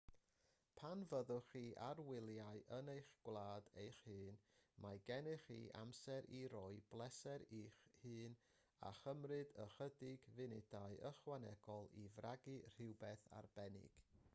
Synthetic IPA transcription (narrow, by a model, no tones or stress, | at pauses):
pʰanvəðʊχiːʔarwɪlˠjaɨʔənejχɡ̥wlˠaːdejχhɨːnmajɡɛnɨχḭːʔa̰msɛɾʔiɾɔɨblˠɛsɛɾiːχhɨːn | a̰χəmrɨdəχədɪɡvɨnɪdaɨʔəχwanɛɡ̥ɔlˠivraɡɨr̥ɪwbɛθa̰rbɛnɪ̰ɡ̥